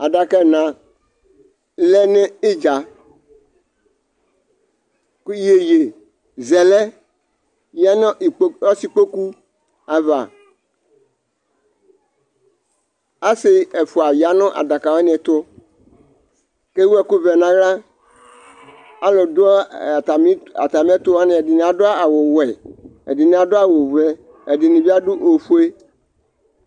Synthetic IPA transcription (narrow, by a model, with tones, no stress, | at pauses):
a˨ɖa˨kɛ˦˨nã˨ | lɛ˦ne˦e˦d͡ʒa˨ | kje˨je˨ | zɛ˨lɛ˦ | ja˦n˦˨˦ɔ˦si˦k͡po˦ku˦ | a˨va˨ | a˦sɪ˦ɛ˨fʊ˨a˨ja˨nʊ̃˦ʔa̰˨da˨ka˨wɔ˦nɪ̃˨ɛ˨t̪ʊ˦ | ke˦wu˦ɛ˨kʊ˦vɛ˨nã˨ɣɾa˦ | a˦lʊ˨dʊ˦˨ta˨m˦a̰˨t̪a˨m˦t̪ʊ˦wa˦nɪ̃˨ɛ˨dɪ˨nɪ̃˨a˨dʊ˦a˦a˨wʊ˨wɛ˨ɛ̰˨dɪ˨nɪ̃˨a˨dʊ˦a˦wo˨vɛ˨ | ɛ˨dɪ˨nɪ̃˨bi˦a˦dʊ˦ʔo˨fu˦e˦